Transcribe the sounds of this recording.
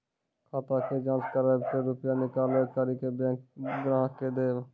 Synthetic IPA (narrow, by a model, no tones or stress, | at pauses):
kʰaːt̪aːked͡ʒãːnskəɾeːpʰeɾʊpjaːnɪkaːleːkəɾiːkebɛ̃ːk̚ɡɾaːɦkeːd̪eː